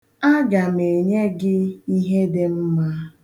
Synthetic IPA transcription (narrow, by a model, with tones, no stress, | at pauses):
a˦ɡa˨me˨ɲe˦ɡɪ˦i˦ɦe˦dɪ˦m̩˦ma˦